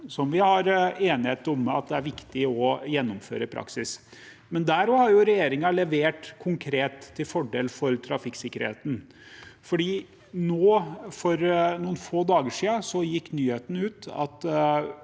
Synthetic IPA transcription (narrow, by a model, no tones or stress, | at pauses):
sɔmʋɪhɑɾeːnɪheːt̪ɔmɑ̰t̪̚d̪ɛæɾʋɪkt̪ɪɔjɛnːʊmfø̰ːɾəpʰɾɑ̰ksɪs | mɛnd̪æɾɔhɑɾjʊɾɛjeːɾɪŋɑlɛʋeːʈkʰʊŋkʰɾeːt̪ʰːɪlfɔɖeːlfɔɾt̪ʰɾɑfɪkːsɪkːəɾhḛːt̪n̩ | fɔɖiː | noːfɔɾnuːnfoːd̪ɑːɡəʂiːɑsɔjɪkːnyːheːt̪ənʉːt̪ɑ̰t̪